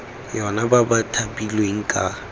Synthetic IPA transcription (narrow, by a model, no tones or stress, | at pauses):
jɔnababatʰapʼilweŋ̩kʼa